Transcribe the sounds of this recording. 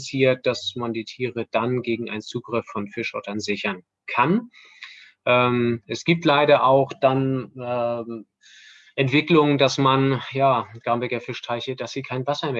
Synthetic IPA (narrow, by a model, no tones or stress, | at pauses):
siːɐt̚d̥asmandiːtʰiːʁəd̥anɡeːɡŋ̩ʔa̰ɪnnt͡suːɡʁɪfːɔnfɪʃhɔtɐnzɪçɐn | kʰan | ʔɛːmʔɛsɡ̥iːp̚tlaɪɾɐʔaʊxd̥anɛ | ʔɛntv̥ɪklʊŋəndasmanjaːɡ̥aːmbɛkɐfɪʃtʰaɪçəd̥asz̥iːkʰaɪnvasɐmeː